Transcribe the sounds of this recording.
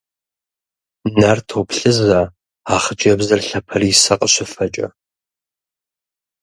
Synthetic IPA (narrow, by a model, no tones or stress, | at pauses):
nartʰoːpɬɨza | aːχəd͡ʒʼɐbzɐrɬɐpʰɐriːsɐqʼəɕɪfɐt͡ʃʼɐ̰